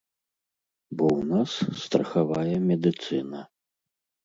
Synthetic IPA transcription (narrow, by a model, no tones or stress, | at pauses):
bɔwnasːt̪ɾɐxavajɛmʲɛd̪ɨt̪sɨnɐ